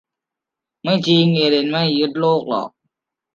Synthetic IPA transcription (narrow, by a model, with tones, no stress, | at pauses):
ma˥˩jt͡ɕi˧ŋe˧˩˨de˧˩nma˥˩˨jːu˦˥t̪̚loː˥˩k̚lɔ̰ː˨˩k̚